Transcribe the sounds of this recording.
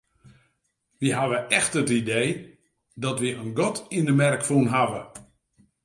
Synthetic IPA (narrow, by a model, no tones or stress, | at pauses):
ʋiɦaʋəʔɛxtətideː | dɔtʋiənɡɔtʰindəmɛrkfunɦaʋə